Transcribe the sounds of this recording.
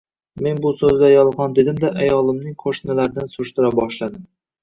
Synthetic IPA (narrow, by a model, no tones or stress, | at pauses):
me̞nbʊsɵzd̪ajɒlˠʁɒnd̪e̞d̪ɪmd̪aʔajɒlˠɪmnɪŋqʰoʃnalaɾɪd̪ansʊɾɪʃt̪ɪɾabɒʃlad̪ɪm